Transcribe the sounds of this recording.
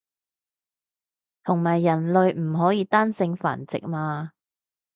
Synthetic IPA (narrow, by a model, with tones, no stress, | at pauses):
t̪ʰʊ˨˩ŋmaː˨˩jːɐ˨˩nlɵ˨˧ɥm̩˨˩ɦɔː˨˥jiː˧t̪aː˥nsɪ˧ŋfa̰ː˨˩nt͡sɪ̰˨k̚maː˧